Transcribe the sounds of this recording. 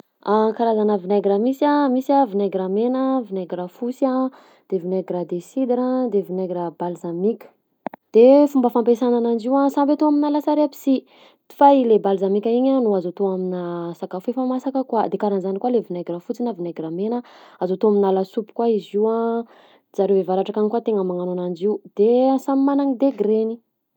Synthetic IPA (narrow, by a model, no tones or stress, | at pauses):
akaɾazanavinaɡɾamisamisiavinaɡɾamenəvinaɡɾafusa | d̪̥evinaɡɾad̪esid̪ɾad̪evinaɡɾabalzamikʲə̥ | d̪̥efumbəfampesananand͡ʒiwasambet̪oaminalasaɾeapi̥si | d̪i̥failebalzamikʲaiɲanuazat̪oaminasakafuefamasakəkwad̪ekaɾanzanikwalevinaɡrafut͡sinavinaɡramenəazat̪oaminalasupu̥kwaiziwa | d͡zaɾevevaɾaʈ͡ʂakanikwat̪eŋəmaŋanonand͡ʒiud̪̥esamimanaŋid̪eɡɾeni